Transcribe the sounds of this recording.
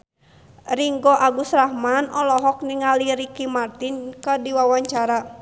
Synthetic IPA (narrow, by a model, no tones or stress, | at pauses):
riŋɡɔʔaɡusrahmanʔɔlɔɦɔk̚niŋaliɾikimart̪inkədiwawaɲt͡ʃaɾa